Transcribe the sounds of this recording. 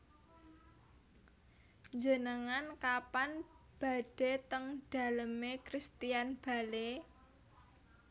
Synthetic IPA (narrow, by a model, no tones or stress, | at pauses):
ɲd͡ʒənəŋankapan | b̥a̤ɖ̥e̤t̪əŋɖ̥a̤ləmekɾist̪ijanb̥a̤le